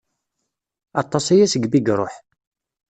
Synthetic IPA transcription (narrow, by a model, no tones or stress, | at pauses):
ɑt̪ˤːɑsajæsəɡbiɡɾˤoħ